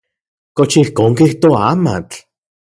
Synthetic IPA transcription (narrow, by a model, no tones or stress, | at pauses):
kot͡ʃihkoːŋkiht̪oaːma̰t͡ɬ